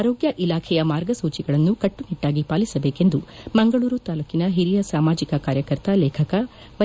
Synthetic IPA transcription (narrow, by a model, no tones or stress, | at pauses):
aːɾoːɡjɐʔilaːkʰɛjɐmaːɾɡɐsuːt͡ʃiɡɐɭɐnːukɐʈːuniʈːaːɡipaːlisɐbeːke̞nd̪umɐŋɡɐɭuːɾut̪aːlukːinɐɦiɾijɐsaːmaːd͡ʒikɐkaːɾjɐkɐɾt̪ɐlɛːkʰɐkɐ | ʋɐ